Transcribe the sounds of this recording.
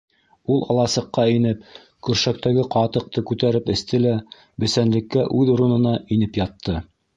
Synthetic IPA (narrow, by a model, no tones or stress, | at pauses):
ulˠɑ̰lˠɑsɤ̆qːɑinɘp̚ | kʉɾʃæk̚t̪æɡɘqɑt̪ɤ̆q̚t̪ɤkʉt̪æɾɘpɘ̆st̪ɘlæ | bɘ̆sænlɘ̆kːæʔʉðuɾɤ̆nɤ̆nɑinɘpjɑt̪ʰːɤ